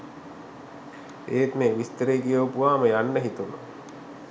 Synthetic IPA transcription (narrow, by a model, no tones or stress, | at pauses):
eːt̪meʋist̪əɾeːɡijoːpuʋaːməjanːəɦit̪uno̰